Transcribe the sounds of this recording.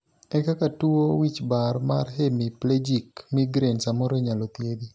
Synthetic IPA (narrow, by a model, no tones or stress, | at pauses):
ɛkakatuowit͡ʃbaɾma̰rɦemipled͡ʒikmiɡɾensamɔɾɔɲalɔt̪jed̪i